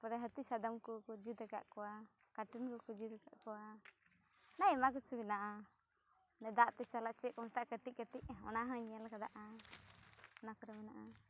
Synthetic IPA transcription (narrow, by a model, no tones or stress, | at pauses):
pɔɾɛɦət̪isad̪amkɔkɔd͡ʒid̪əka̰ʔkɔwa | kaʈinkɔkɔd͡ʒid̪ɛka̰ʔkɔwa | naimak̬ɔt͡ʃʰubinaʔa | nɛd̪aʔt̪ɛt͡ʃalaʔt͡ʃɛʔkɔmɛt̪aʔkət̪iʔ̚kət̪iʔɔ̰naɦãɲɛlakad̪a̰ʔa | ɔnakɔɾɛmɛnaʔa